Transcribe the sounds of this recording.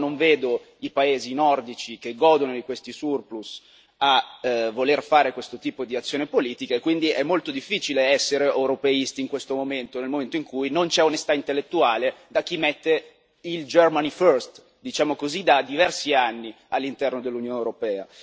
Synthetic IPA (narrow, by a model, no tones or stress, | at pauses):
noɱveːd̪o | ipaeːzinɔrd̪it͡ʃik̟eɡːɔːd̪onod̪ikwest̪isurplus | avːolerfaːɾekwest̪ot̪iːpod̪iat̪sːjoːnepoliːt̪ikaekwind̪iʔɛmːolt̪od̪ifːiːt͡ʃileɛsːeɾeʔewɾopeist̪iːŋkwest̪omoment̪onelmoment̪oiŋkujnont͡ʃɛonest̪aint̪elːet̪ːuaːled̪ak̟ːimɛt̪ːe | ild͡ʒermaniførst̪ | d̪it͡ʃaːmokozid̪ad̪ivɛrsianːi | alːint̪ɛrnod̪elːunjoːnewɾopɛːa